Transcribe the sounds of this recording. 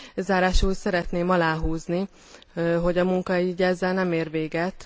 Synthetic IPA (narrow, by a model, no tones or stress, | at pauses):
zaːɾaːʃuːsɛɾɛt̪neːmɒlaːɦuːzni | ɦo̞ɟɒmuŋkɒiːɟɛzːɛlnɛmeːrʋeːɡɛt̪